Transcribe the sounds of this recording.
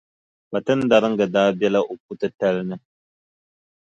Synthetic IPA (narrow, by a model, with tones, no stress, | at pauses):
ba˨tɨ˦n˦da˨ɾɨ˦ŋ̩˦ɡɨ˨daː˦bɛ˦la˦ʔo˨p̚u˦tɨ˦ta˦lnɨ˦